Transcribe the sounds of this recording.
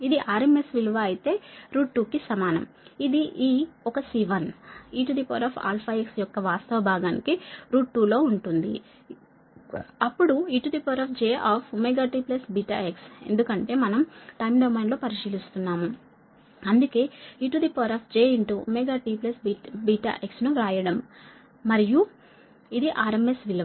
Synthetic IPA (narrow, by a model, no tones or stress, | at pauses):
id̪iʔaːɾeme̞sʋilʋaɐjit̪e̞ːɾuːʈʈːuːkisɐmaːnɐ̰m | id̪iʔiːɔkɐsiʋɐniːʈud̪ipoːɾaːpʰa̰ːlpʰaːeksjɔkːɐʋaːst̪ɐʋɐbʱaːɡaːnikiɾuːʈʈːuːlo̞ːuɳʈund̪ḭ | ɐpːuɽuiʈud̪ipɐːɾaːpʰd͡ʒeːʔaːpʰumeɡaːʈiːplɐsbiːʈa̰ekse̞̰nd̪ukɐɳʈe̞ːmɐnɐmʈɐjmɖɐwmaːnlo̞ːpɐɾiʃiːlist̪unːaːmu | ɐnd̪uke̞ːiːʈud̪ipɐːɾaːpʰd͡ʒe̞ːiɳʈumeɡaːʈiːplɐsbibiʈa̰ːʔeksnuɾaːjɐɽɐmː | ɐɾiju | id̪iʔaːɾemesʋilɐ